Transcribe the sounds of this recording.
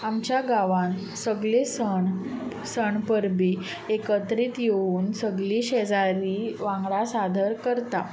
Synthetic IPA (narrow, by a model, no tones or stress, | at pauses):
amt͡ɕjaɡaʋãn | səɡɭesəɳ | səɳpəɾbi | ekət̪ɾiːt̪jeuːnsəɡliːɕed͡zaɾiʋãŋɡɽasad̪ʱəɾkəɾt̪a